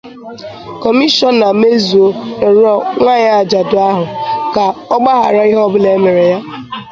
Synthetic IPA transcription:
kɔ˨mi˦ʃɔ˦na˨me˦zu˨o˦e˨ɾɔ˦ŋʷa˦ɲa˦a˨d͡ʒa˨dʊ˨a˦ɦʊ˨ka˨ɔ˦ɡ͡ba˦ɦa˨ɾa˦i˦ɦɔ˦bʊ˦le˨˦me˨ɾe˨ja˦

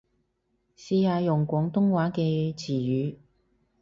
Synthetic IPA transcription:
siː˧haː˨˧jʊ˨˩ŋkʷɔː˨˥ŋt̪ʊ˥ŋwaː˨˥kɛː˧t͡sʰiː˨˩jyː˨˧

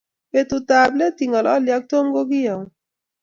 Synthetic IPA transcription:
e˦t̪ut̪able˦t̪iŋɡɔ˨lɔ˦lja˦k̚t̪o˦mɡo˦ɡi˦ja˨

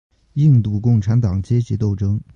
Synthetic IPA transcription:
i˥˧ŋt̪u˥˧kʊ˥˩ŋʈ͡ʂʰa˧˥nt̪ɑ˨˩ŋt͡ɕjɛ˥t͡ɕi˧˥t̪o˥˩ʊʈ͡ʂɤ˥ŋ

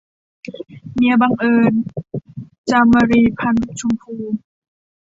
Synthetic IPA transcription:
mi˧˦ba˧ŋʔɤː˧n | t͡ɕa˧mːa˧ɾiː˧pʰa˧˩nt͡ɕʰu˧mpʰuː˧˩

